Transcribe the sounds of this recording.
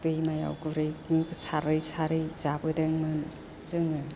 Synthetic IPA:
tɯjmaja̰wɡuɾɯjkɯŋkɯsaɾɯjsaɾɯjzabɯdeŋmɯn | zɯŋɯ

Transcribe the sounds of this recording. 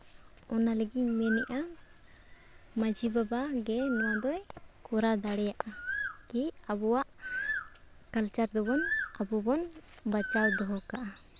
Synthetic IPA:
ɔnaləɡimɛnɛʔa | məd͡ʒʱibabaɡɛnɔwad̪ɔjkɔɾad̪aɽɛjaʔakiabɔwaʔ | kalt͡ʃaɾd̪ɔbɔnabɔbɔnbat͡ʃawd̪ɔɦɔkaʔa

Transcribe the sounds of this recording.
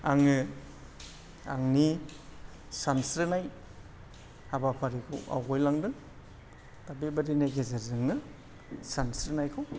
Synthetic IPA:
aŋɯ | a̰ŋni | sansɾɯnaj | abapʰaɾikʰɯ̰wa̰wɡɔjlaŋdɯn | tabebadinajɡezazɯŋnɯ | sansɾɯnajkʰɯw

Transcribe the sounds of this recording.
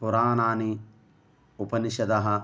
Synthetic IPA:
puɾaːnaːni | upɐniʃɐd̪ɐɦɐ

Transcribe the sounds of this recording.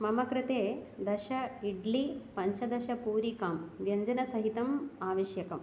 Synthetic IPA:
mɐmɐkɾɪt̪eːd̪ɐʃɐiɖlipɐɲt͡ʃɐd̪ɐʃɐpuːɾikaːmʋjɐɲd͡ʒɐnɐsɐɦit̪ɐmaːʋɐʃjɐkɐm

